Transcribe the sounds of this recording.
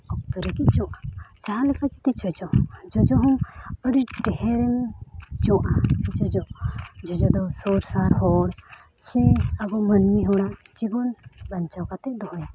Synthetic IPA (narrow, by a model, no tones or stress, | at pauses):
ɔk̚kəɾikit͡ʃɔwʔat͡ʃaɦalɛkad͡ʒɔt̪it͡ʃɔd͡ʒɔd͡ʒɔd͡ʒɔɦɔməɽiʈɛɦɛɾɛmt͡ʃɔwʔad͡ʒɔd͡ʒɔd͡ʒɔd͡ʒɔd̪ɔsɔɾsaɾhɔɽ | sɛ̃aɡɔmənmiɦɔɽad͡ʒibɔnbaɲt͡ʃawkat̪ɛd̪ɔɦɔja